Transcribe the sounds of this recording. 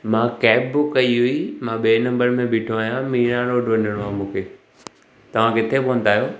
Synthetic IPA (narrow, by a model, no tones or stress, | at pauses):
mãkɛːpbʊkːɐiɦʊimãːɓeːnɐ̃mbəɾmẽbɪːʈʰoaːɦijãmiːɽ̃ãːɽoːɖʋɐ̃ɲəɽ̃oãmũːkʰeː | t̪ɐʋ̤ãkɪt̪ʰepoʋə̃n̆d̪aːɦijoː